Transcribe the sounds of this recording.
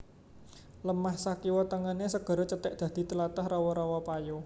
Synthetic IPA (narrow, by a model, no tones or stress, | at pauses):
ləmahsakiwɔt̪əŋənesəɡ̥ɔ̤ɾɔt͡ʃət̪ɪʔ̚d̪̥ä̤d̪̥i̤t̪əlat̪əhrawɔɾawɔpajo